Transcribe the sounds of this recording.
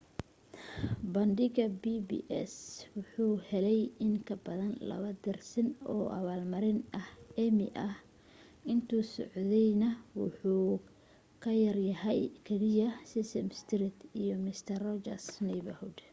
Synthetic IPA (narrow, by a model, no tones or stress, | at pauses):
bɐndɪɣɐbibḭːʔɛ̰swʊħuːhɛlɛjɪŋkʰɐbɐðɐnlɐ̰βɐd̪ɪrsɪnɔːʔɐ̰βaːlmɐɾɪnɐhɛmɪ̰ʔɐh | ʔɪnt̪ʰuːsɔʕðɛjnɐwʊħuː | kʰɐjɐrjɐɦɛjkʰɛlɪjɐsɪsɛmst̪ʰɾɪt̪ʰijɔmɪst̪ʰɐrɔd͡ʒɐ̰rsnɛjβɐhʊd̪